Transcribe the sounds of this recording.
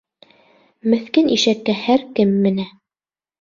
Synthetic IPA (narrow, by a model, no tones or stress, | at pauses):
mɘ̆θkɘniʃækːæhæɾkɘmːɘ̆næ